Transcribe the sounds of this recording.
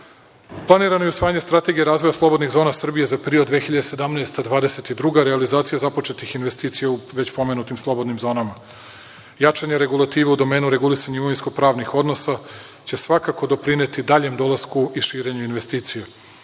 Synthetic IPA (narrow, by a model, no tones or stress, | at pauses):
plˠaniːɾano̞eusʋaːjaɲest̪ɾat̪e̞ɡijeɾaːzvo̞jaslˠo̞bo̞d̪niɣzo̞ːnasr̩bije̞zapeɾiod̪ːʋexiʎad̪ese̞d̪amnaest̪ad̪ʋaːd̪eset̪id̪ɾuɡaɾealizaːt̪sijazapo̞t͡ʃe̞t̪ixinʋe̞st̪iːt̪sijauʋe̞t͡ɕpo̞me̞nut̪imslˠo̞bo̞d̪nimzo̞ːnama | jat͡ʂaɲe̞ɾe̞ɡulˠat̪iːʋeud̪o̞meːnuɾe̞ɡulisaɲaiumoʋinskopɾaːʋnixo̞d̪no̞sa | t͡ɕe̞sʋakako̞d̪o̞pɾinet̪id̪aʎe̞md̪o̞lˠaskuiʃiːɾe̞ɲuinʋe̞st̪iːt̪sije